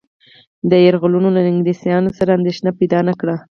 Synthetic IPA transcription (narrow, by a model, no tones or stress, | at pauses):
d̪əjaɾɣʊlunolanɪŋɡdesjɑnosaɾaːnd̪eʃnapajd̪ɑnakɽa